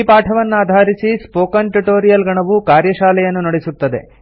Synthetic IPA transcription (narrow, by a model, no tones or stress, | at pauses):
paːʈʰɐʋɐnːuaːd̪ʱaːɾisispoːkɐnʈuʈoːɾijɐlɡɐɳɐʋukaːɾjɐʃaːlɛjɐnːunɐɽesut̪ːɐd̪e̞̰